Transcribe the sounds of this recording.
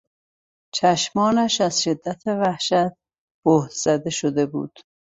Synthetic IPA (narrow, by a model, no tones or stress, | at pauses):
t͡ʃʰæʃmɒːnæʃæzʃed̪ːæt̪ʰevæhʃæt̪̚ | b̥ohd̪z̥æd̪eʃod̪e̞bṵːd̪̥